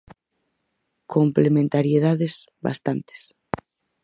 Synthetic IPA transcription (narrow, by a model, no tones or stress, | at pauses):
kʰomplemẽnt̪aɾjeð̞aðes | ba̰st̪ant̪e̥s